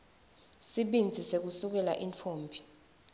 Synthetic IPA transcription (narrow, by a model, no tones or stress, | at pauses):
siɓind͡zʱisek̬usuk̬ɛla̰ʔiɱfʰoːmbʰʱi̥